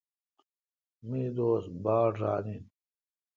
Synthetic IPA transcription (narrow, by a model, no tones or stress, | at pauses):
miːd̪oːsbaːɾɾa̰ːnit̪